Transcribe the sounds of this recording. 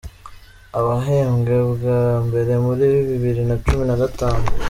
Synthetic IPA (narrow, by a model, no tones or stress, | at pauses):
aβaɦe̞ːŋɡeβɡambe̞ɾe̞muɾiβiβiβiɾinat͡ʃuminaɡataːnu